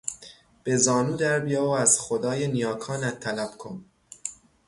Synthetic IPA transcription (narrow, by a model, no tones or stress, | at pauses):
b̥e̞zɒːnuːd̪æɾbijɛːoæz̥xod̪ɒːjenijɒːkʰɒːnæt̪ʰːælæb̥kʰo̰m